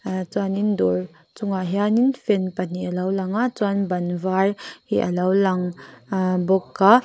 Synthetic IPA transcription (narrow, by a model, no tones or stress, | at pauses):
t͡swanindɔɾ | t͡suŋaɦianinfɛnpan̥iʔəlɐwlaŋat͡swanbɐnvarhiʔə̰lawlaŋ | bɔkːa